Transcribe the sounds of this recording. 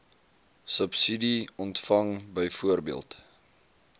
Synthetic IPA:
səpsidiɔntfɐŋbəjfuərbiəlˠt

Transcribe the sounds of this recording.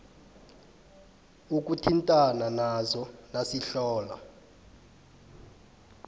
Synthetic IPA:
uk̬ʼutʰintʼananazɔnasiɬɔːla̰

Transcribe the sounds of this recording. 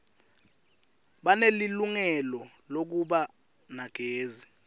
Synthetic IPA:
ɓaneliluŋɛlɔlok̬uɓa | naɡ̥ʱeːzi

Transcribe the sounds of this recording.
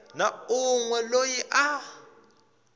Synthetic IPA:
nauŋwɛlojiʔa

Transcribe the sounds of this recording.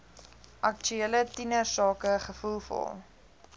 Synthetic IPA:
ʔɐk̚t͡ʃyelətinəsɑːkəχəfulˠfɔ̰lˠ

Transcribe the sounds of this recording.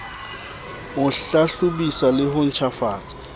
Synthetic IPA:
ʊaɬʊbisalɪɦʊn̩t͡ʃʰafaːt͡sʼḁ

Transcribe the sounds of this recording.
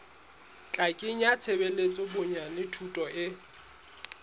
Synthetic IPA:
t͡ɬʼakʼɪɲ̩jat͡sʰebelet͡sʼɔbʊɲanɪtʰutʼɔʔɪ

